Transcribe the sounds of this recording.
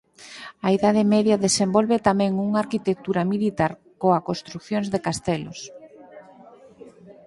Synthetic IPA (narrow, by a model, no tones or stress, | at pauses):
aiðað̞ɪmɛðjaðesembolβet̪amɛ̃ŋuŋaɾkit̪ek̚t̪uɾamilit̪aɾ | koakonst̪ɾukθjoŋzðekast̪ɛlo̰s